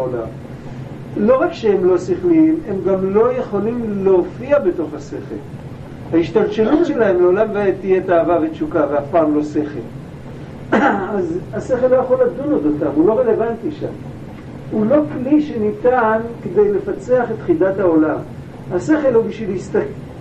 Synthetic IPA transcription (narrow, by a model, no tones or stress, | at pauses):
ola̰m | lo̞ʁakʃeemlo̞siχlime̞mɡamlo̞je̞χo̞limleofiabe̞to̞χhase̞χḛl | haiʃtalʃelutʃelahemleolamveaet̪ijetaːvavet͡ʃukaveafpaːmlo̞se̞χḛl | azase̞χe̞lːo̞jaχolːadunodotamulo̞ʁe̞le̞vantiʃa̰m | ulo̞kliʃe̞nitankede̞jle̞fat͡se̞aχe̞tχidathao̞lam | hase̞χe̞lhubiʃvilist̪ak